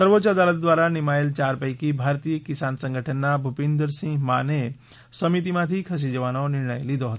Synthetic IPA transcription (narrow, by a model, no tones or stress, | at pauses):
səɾʋot͡ʃəd̪alət̪̚d̪ʋaɾanimaelt͡ʃaɾpəjkibʱaɾt̪ijəkisansə̃ŋɡəʈʰənːabʱupẽnd̪ɾsĩŋɡmane | səmit̪imãt̪ʰikʰəs̬id͡ʒəʋanonɪɾɳəjlid̪oɦət̪o